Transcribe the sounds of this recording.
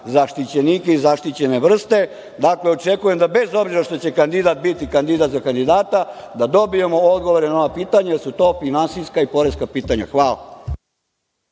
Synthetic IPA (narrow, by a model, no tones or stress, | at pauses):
zaʃt̪it͡ɕenikeizaʃt̪it͡ɕe̞ne̞ʋr̩st̪e̞ | d̪akleo̞t͡ʃekujemd̪abe̞zo̞bziɾaʃt̪o̞t͡ɕe̞kand̪id̪at̪̚bit̪ikand̪id̪at̪zakand̪id̪aːt̪ad̪ad̪o̞bijemood̪ɡo̞ʋoɾenaoʋapiːt̪aɲajeɾsut̪o̞ːfinansijskaipo̞ɾe̞skapiːt̪aɲa̰xʋaːla̰